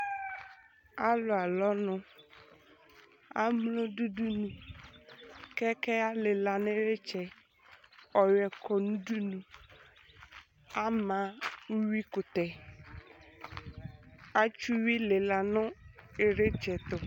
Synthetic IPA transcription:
a˦lʊ˨a˨lɔ˦nʊ̃˦ | a˦mlo˦du˦du˦nũ˨ | kɛ˦kɛ˦a˦le˨la˨ne˦ɾe˦t͡ʃɛ˨ | ɔ˨jɛ˨kʰɔ˨nũ˦du˦nũ˨ | a˦mã˨˦wi˦kʊ˨t̪ɛ˨ | a˦t͡ʃu˦wi˦le˨la˨nʊ̃˦e˨ɾe˦t͡ʃɛ˨t̪ʊ˨

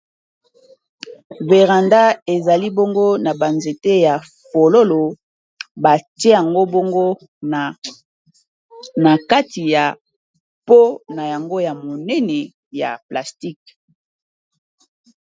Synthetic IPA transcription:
ve˨ʁa˨nda˦e˨za˨li˦bo˦ŋɡo˦na˨ba˨nze˨te˦ja˨ | fo˨lo˦lo˨ | ba˨ti˦e˦ja˨ŋɡo˦bo˦ŋɡo˦ | na˨ka˦tʰi˨ja˨ | po˦na˨ja˨ŋɡo˦ja˨mo˨nɛ˦nɛ˨ | ja̰˨pla˨sti˦k

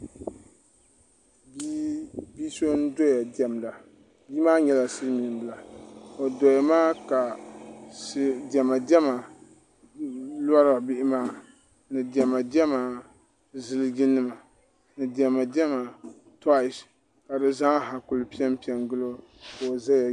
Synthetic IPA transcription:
bbi˦so˦n̩˦do˦ja˨di˨ɛ˨mla˨ | biː˦maː˦ɲɛ˨la˨sɨ˦mi˨ɨ˨bɨ˦la˨o˨do˨ja˨maː˦ka˨ | sdɛ˨ma˨dɛ˦ma˨ | la˦ɾa˨bɪ˦ʔɪ˦maː˦ | nɨ˨dɛ˨ma˨di˦ɛ˦ma˨ | zɨ˦lɨ˦ɡɪ˦nːɨ˦ma˨ | nɨ˨dɛ˨ma˨dɛ˦ma˨ | ta˦˨s | ka˨dɨ˦za˦ɦa˨kʊ˨lpi˦ɛ˦m˦pi˦ɛ˨ŋɡɨ˦lo˦ | ko˨za˦ja˨

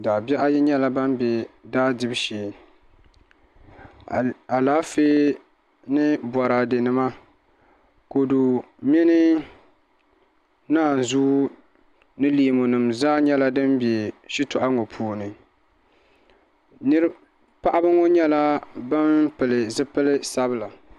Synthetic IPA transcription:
daː˨bɛ˦ʔa˦jɛ˦ɲɛ˦la˦ba˦mbɛ˨daː˦dɨ˦bʃeː˨ | a˨laː˦feː˦ | nɨ˦bɔ˨ɾa˨dɨ˨nɨ˦ma˦ | ko˨du˨ | mɪ˦nɨ˦ | naː˦˨n˨zuː˦ | nɨ˦li˨mo˨nɨ˨mzaː˦ɲɛ˦la˦dɨ˦mbe˨ʃi˦tʊ˨ʔa˦ŋo˨pʰuː˨nɨ˨ | nɨ˦ɾɨ˦ | pa˦ʔa˦bɨ˦ŋo˦ɲɛ˦la˦ba˦mpɨ˨lɨ˨zɨ˦pɨ˦lɨ˦sa˦bɨ˦la˨

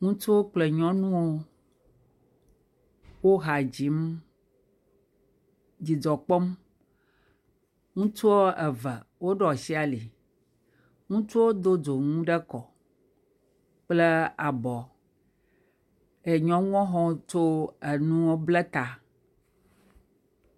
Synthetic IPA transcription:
ŋũ˦t͡ʃu˦wo˦k͡ple˨ɲɔ̃˦nũ˦wo˦ | wo˦ɦa˨d͡ʑi˨˦m | d͡ʑi˨d͡zɔ˨k͡pɔ˦m | ŋũ˦t͡ʃu˦wo˦ɛ˨vɛ˨wo˦ɖɔ˨si˦a˨li˨ | ŋũ˦t͡ʃu˦wo˦d̪o˦d͡zo˨ŋũ˦ɖɛ˦kɔ˨ | k͡ple˦a˨bɔ˨ | e˨ɲɔ̃˨ŋũ˦ɔ̃˦ɦɔ̃˦t͡ʃo˦ɛ˨nũ˦wo˦blɛ˦t̪a˨

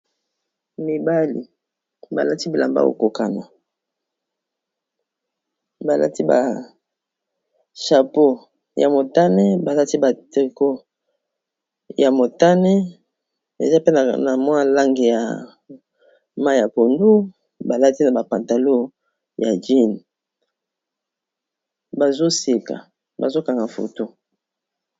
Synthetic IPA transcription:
mi˨ba˦lḭ˨ | ba̰˨la˦ti˦bi˨la̰˨mba̰˦o̰˨ko˨ka˨na˨ | ba˨lʔa̰˦ti˦ba̰˨ | ʃa˨po˦ | ja̰˨mo˨ta˦ne˦ba˨la˦ti˦ba˨ti˨ko˦ | ja˨mo˨ta˦ne˦ | dḛ˨za˦pe˦n˨na˨mwa˦la˦ŋɡi˨ja̰˨ | ma˦˨ja˨po˨ndu˦ | ba˨la˦ti˦na˨ba˨pa˨nta˨lo˦ | ja˨d͡ʒi˦n˨ | ba˨zo˦si˨ka̰˨ | ba̰˨zo˦ka˨ŋɡa˨fo̰˨to˦

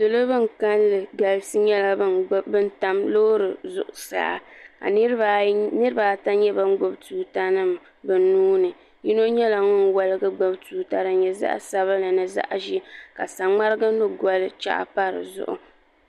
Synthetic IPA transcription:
dɨ˨lo˦bɨ˦ŋ˨ka˦nlɨ˨ɡa˨lsɨ˦ɲɛ˦la˦bbɨ˦n˦ta˦mloː˦ɾɨ˨zʊ̰˨ʔʊ˨sa̰ː˦˨a̰˨ka̰˨˦nɨ˦ɾɨ˦ba˨ta˦ɲɛ˦bɨ˦n˦ɡ͡bo˦btuː˨ta˦nɨ˦m | bɨ˨nːuː˦nɨ˨ | ji˦no˦ɲɛ˦la˨ŋɔ˦n˨wa˨lɨ˦ɡɨ˦ɡ͡bo˦btuː˨ta˨ɾɨ˨ɲɛ˨za̰˦ʔa̰˦sa˦βa˦lɨ˨nɨ˨za̰˦ʔʒi˦ka˨sa˨ŋ͡ma˦ɾɨ˦ɡa˦nʊ˦ɡɔ˨lɨ˦t͡ʃa̰˦ʔa̰˨pa˦ɾɨ̰˨zʊ̰˦ʔʊ̰˨

